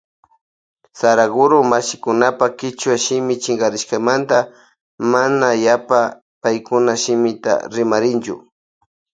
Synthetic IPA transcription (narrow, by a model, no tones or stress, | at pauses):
saɾaɡʊɾʊmaʃɪkʊnapakɪt͡ʃwaʃɪmɪt͡ʃɪŋɡaɾɪʃkamant̪a | manajapa | pajkʊnaʃɪmɪt̪a̰ɾɪmaɾɪnt͡ʃʊ̰